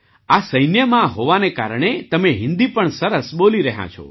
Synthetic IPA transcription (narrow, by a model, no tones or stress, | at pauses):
asəjnjəmãɦoʋaneka̰ɾɳ̃et̪əmeɦɪ̃nd̪ipəɳsəɾəsɓoliɾəɦã̰t͡ʃʰo̰